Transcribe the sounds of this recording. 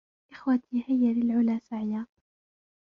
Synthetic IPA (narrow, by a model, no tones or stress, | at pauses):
ʔɪxwat̪ʰiːhɪjːalɪlʕʊlaːsaʕɪjaːt̪